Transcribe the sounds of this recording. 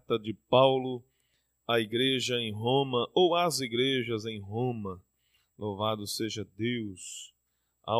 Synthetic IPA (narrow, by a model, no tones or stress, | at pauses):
t̪ɐd͡ʒɪpawlʊ | ɐiɡɾeʒɐẽj̃ɦõmɐʔowɐziɡɾeʒɐzẽj̃ɦõmɐ | lʔovad̪ʊseʒɐd̪ews | a̰